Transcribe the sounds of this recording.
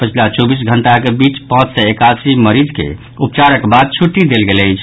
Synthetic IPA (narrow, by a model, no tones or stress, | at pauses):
pət͡ʃʰlat͡ʃobisɡʱəɳʈakebit͡ʃpãt͡ʃsɛekasiməɾid͡ʒkḛ | upt͡ʃaɾəkbad̪̚t͡ʃʰuʈːid̪elɡeləjt͡ʃʰ